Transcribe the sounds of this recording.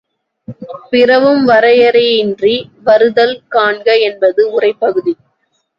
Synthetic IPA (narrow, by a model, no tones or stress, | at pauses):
pɪrɐʋɯmʋɐɾɐjɐɾɐɪndriʋɐɾɯðɐlkaːɳɡɐɛnbɐðɯʊrɐɪpːɐɣɯði